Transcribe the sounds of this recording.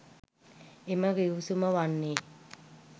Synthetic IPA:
eməɡiusuməʋanːeː

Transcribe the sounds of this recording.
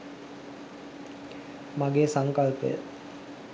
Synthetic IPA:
maɡeːsaŋkalpə̰jə̰

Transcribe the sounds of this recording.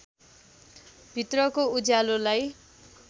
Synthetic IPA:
bʱit̪rʌkoud͡zalolaj

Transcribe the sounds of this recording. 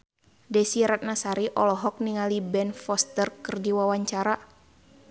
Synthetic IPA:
dɛsiɾat̪̚nasaɾiʔɔlɔɦɔk̚niŋalibɛnfɔst̪ərkɨrdiwawaɲt͡ʃaɾa

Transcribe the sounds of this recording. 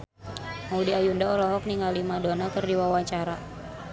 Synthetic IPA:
maudiajundaɔlɔɦɔk̚niŋalimadonakɨrdiwawaɲt͡ʃaɾa

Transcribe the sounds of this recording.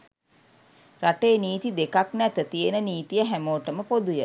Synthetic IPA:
raʈeːniːt̪id̪ekaknɛt̪ət̪ijenəniːt̪ijəɦæmoːʈəməpod̪ujə

